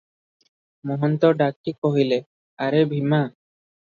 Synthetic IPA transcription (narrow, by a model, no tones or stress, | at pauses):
mɔɦɔnt̪ɔɖakːikoɦile | aɾebʱima